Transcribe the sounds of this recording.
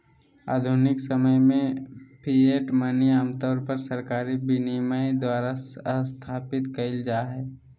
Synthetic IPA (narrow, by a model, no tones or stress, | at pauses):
a̰ːd̪ʱʊnɪksəməjmẽpʰieːʈməniaːmt̪ɔːɾpəɾsəɾkaːɾibinimajd̪waːɾast̪ʰaːpɪt̪kɐɪld͡ʒaːɦɛː